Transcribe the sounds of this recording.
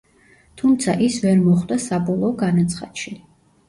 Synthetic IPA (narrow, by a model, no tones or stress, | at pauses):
t̪ʰumt̪sʰaʔisvɛɾmɔχwd̪asabɔlˠɔːɡanat̪sʰχa̰t̪ʃi